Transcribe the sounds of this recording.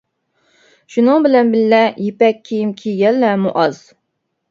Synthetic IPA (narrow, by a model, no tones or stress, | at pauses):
ʃunɨŋbɪlɛnbɪlːɛjepɛkʲʰːijimkʲʰiɡʲɛlːɛmuʔɑz̥